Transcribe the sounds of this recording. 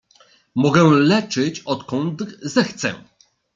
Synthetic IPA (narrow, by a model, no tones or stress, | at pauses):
mɔɡɛ̃lɛt͡ʂɘt͡ɕɔt̪kɔnt̪zɛxt̪sɛ̰